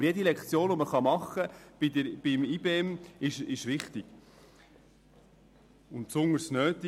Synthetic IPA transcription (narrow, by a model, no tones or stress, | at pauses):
əɾjɛdilɛkχt͡sjoːnʋoməχɑmɑχːəb̥id̪əɾb̥ɪmiːbeːɛmɪʃɪʃʋɪχt̪iɡ̥ | ʊntpsʊŋəɾsnøːt̪i